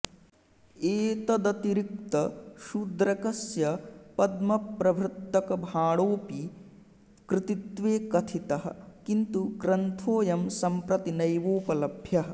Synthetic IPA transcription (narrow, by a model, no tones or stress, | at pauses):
eːt̪ɐd̪ɐt̪iɾik̚t̪ɐʃud̪ɾɐkɐsjɐpɐd̪mɐpɾɐbʱɾut̪ːɐkɐbʱaːɭoːpi | kɾɪt̪it̪ʋeːkɐt̪ʰit̪ɐɦɐ̰̆kint̪uɡɾɐnt̪ʰoːjɐmsɐmpɾɐt̪inɐjʋoːpɐlɐbʱjɐɦɐ̆